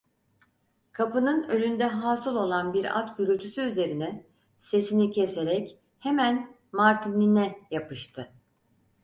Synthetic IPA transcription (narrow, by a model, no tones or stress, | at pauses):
kʰapɯnɯnø̞lʲynd̪ɛɦaːsɯlˠo̞lˠanbiɾa̰t̪ɟyɾylʲt̪ʰysyːyze̞ɾinɛ | se̞sinicʰe̞se̞ɾɛc | he̞mæn | maɾt̪ʰininɛjapɯʃt̪ʰɯ